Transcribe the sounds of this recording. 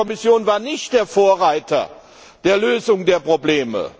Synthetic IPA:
ɔmɪsjoːnvaːɐnɪçtd̥eːɐfoːɐʁaɪtʰɐ̰ | d̥eːɐløːzʊŋdeːɐpʁ̥obleːmə̰

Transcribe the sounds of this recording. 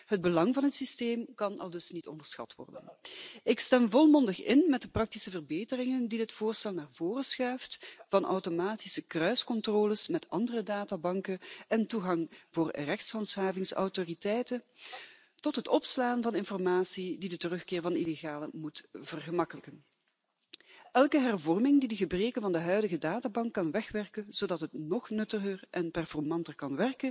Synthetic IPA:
ɦəd̚bəlɑŋvɑnɦətsisteːmkɑnɑ̰lˠdɵsnitɔ̰ndərsxɑ̰tʋɔ̰rdə̰nɪkstɛmvɔlˠmɔndəxɪnmɛt̚dəprɑk̚tisəvərbeːtərɪŋəndidətfʊːrstɛlˠnaːrvoːrəsxœɥftv̥ɑnʔɔ̰wtomaːtisəkrœɥskɔntroːləsmɛtɑndərədaːtabɑŋkəɛntuɣɑŋvoːrrɛxtshɑntshaːvɪŋsɔ̰wtoritɛjtə | tɔtɦətɔpslaːnvɑnɪnfɔrmaːsididətərɵxkɪːrəvɑnileɣaːləmutv̥ərɣəmɑkələkən | ɛlˠkəɦɛrvɔrmɪŋdidəɣəbreːkənvɑndəɦœɥdəɣədaːtaːbɑŋkːɑnʋɛxʋɛrkənz̥odɑtɦətnɔχnɵtəɣərʔɛnpɛrfɔrmɑntərkɑnʋɛrkə

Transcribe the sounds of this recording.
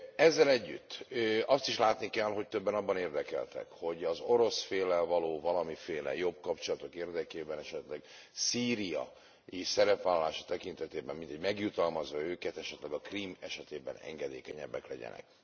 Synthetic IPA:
ɛzːɛlɛɟːy̰t̪ːɒst̪iʃlaːt̪nikɛlɦo̞ct̪øbːɛnɒbːɒneːrd̪ɛkɛ̰lt̪ɛ̰kho̞ɟɒzo̞ɾo̞sfeːlːɛlvɒloːvɒlɒmifeːlɛ̰jo̞b̚kɒpt͡ʃolɒt̪o̞keːrd̪ɛkeːbɛnɛʃɛt̪lɛɡ | siːɾijɒ̰ | isɛɾɛpʋaːlːɒlaːʃɒ̥t̪ɛkint̪ɛt̪eːbɛmːint̪ɛɟmɛɡjut̪ɒlmɒzʋɒøːkɛt̪ɛʃɛt̪lɛɡɒkriːmɛʃɛt̪eːbɛ̰nɛ̰ŋɡɛd̪eːkɛɲɛbːɛ̰klɛɟɛ̰nɛ̰k̚

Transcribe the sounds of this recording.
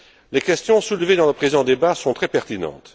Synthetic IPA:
lekʲɛst̪jɔ̃sulved̪ɑ̃ləpχezɑ̃d̪ebasɔ̃t̪χɛpɛʁt̪inɑ̰̃t̪

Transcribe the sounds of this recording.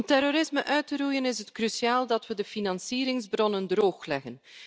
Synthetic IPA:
mtɛɾoɾɪsməʔœɥtəɾujənɪsətkrysiaːlˠdɑtʋədəfinɑnsiːɾɪŋzbrɔnəndroːxlɛɣən

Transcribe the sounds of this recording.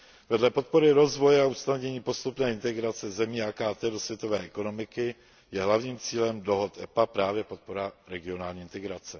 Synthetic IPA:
vɛdlɛpo̞t̪̚po̞ɾɪɾo̞zvo̞jɛaust̪naovɲɛɲiːpo̞st̪upnɛːɪnt̪ɛɡɾat͡sɛzɛmiːakaːt̪ɛːdo̞svjɛt̪o̞vɛːɛko̞no̞mɪkɪ | jɛɦlavɲiːmt͡siːlɛmdo̞ɦot̪ɛpapɾaːvjɛpo̞t̪̚po̞ɾaɾɛɡɪo̞naːlɲiːɪnt̪ɛɡɾat͡sɛ

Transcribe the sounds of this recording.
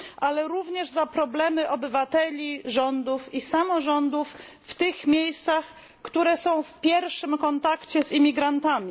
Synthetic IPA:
ʔalɛɾuvɲɛʐzapɾɔblɛmɘʔɔbɘvat̪ɛlʲiʐɔnd̪ufisamɔʐɔnd̪ufː | t̪ɘxmʲjejst̪sax | kt̪uɾɛsɔ̃w̃fpʲjɛɾʂɘmkɔnt̪akt͡ɕɛzimʲiɡɾant̪amʲi

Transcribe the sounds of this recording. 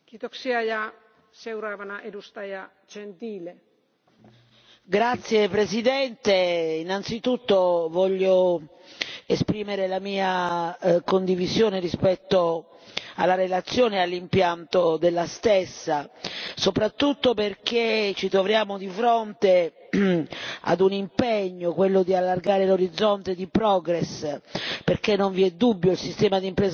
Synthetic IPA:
kit̪oksiaja | sewɾavanaʔedust̪aja | t͡ʃent̪iːle | ɡɾat̪sːjepɾesid̪ɛnt̪einant̪sit̪ut̪ːovɔʎːo | espɾiːmeɾelamiːa | kond̪ivizjoːnerispɛt̪ːo | a̰lːarelat̪sːjɔːneɛalːimpjant̪od̪elːast̪esːasopɾat̪ːut̪ːoperket͡ʃːit̪ɾovɾjaːmod̪ifɾont̪e | a̰d̪unimpeɲːokwelːod̪ialːarɡaːɾeloɾid̪zːɔnt̪ed̪ipɾɔɡɾɛs | peɾkenːoɱviɛd̪ubːjoilsist̪ɛːmad̪impɾɛːz

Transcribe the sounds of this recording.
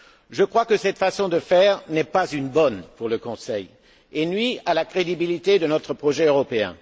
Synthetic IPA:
ʒəkχwakəsɛt̪fasɔ̃d̪əfɛːʁnɛpazynbɔnpuʁləkɔ̃sɛj | enɥialakχed̪ibilit̪ed̪ənɔt̪χəpχɔʒɛøʁɔpeɛ̰̃

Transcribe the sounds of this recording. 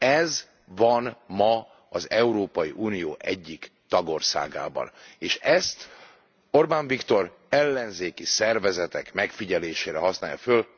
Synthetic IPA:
ɛz | vɒnmɒ | ɒzɛuɾoːpɒjiʔuːnijoːʔɛɟːikt̪ɒɡo̞rsa̰ːɡa̰ːbɒ̰neːʃɛst̪ | o̞rbaːɱvikt̪o̞r | ɛlːɛnzeːkisɛrvɛzɛt̪ɛkmɛkfiɟɛleːʃeːɾɛɦɒsna̰ːjɒ̰føl

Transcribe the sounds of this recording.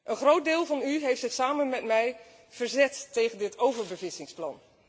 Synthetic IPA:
ʔənχrowt̚dɪːlˠvɑnyɦejftsɪχsaːmənmɛtmɛj | v̥əɹzɛtːejχəndɪtʰowvəɹbəvɪsɪŋsplɑ̰n

